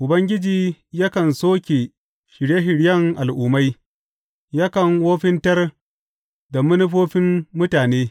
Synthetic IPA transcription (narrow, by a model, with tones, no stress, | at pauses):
ʔʊ˨bɐ˦ŋɡʲɪ˦d͡ʒiː˦ja˦kɐ˨nsoː˦kʲe˨ | ʃɪ˨ɽje˦ɦɪ˨ɽjɐ˦ŋʔa˨lʔʊ˨ma˦j | ja˦kɐ˨ŋwoː˦ɸɪ˦ntɐ˦r | da˨mʊ˦nʊ˦ɸoː˦ɸɪ˦mːʊ˦taː˨neː˦